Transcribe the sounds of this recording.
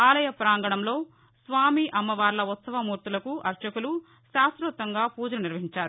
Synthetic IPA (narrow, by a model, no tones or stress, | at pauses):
aːlɐjɐpɾaːŋɡɐɳɐmlo̞ː | sʋaːmiʔɐmːɐʋaːɾlɐut̪sɐʋɐmuːɾt̪ulɐkuʔɐɾt͡ʃɐkulu | ʃaːsɾuːt̪ɐŋɡaːpuːd͡ʒɐlɐniɾʋɐɦiɲt͡ʃaːɾu